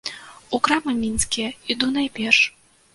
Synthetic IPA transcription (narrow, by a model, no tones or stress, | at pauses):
ukɾamɨmʲinskʲijɛid̪unajpʲɛrʂ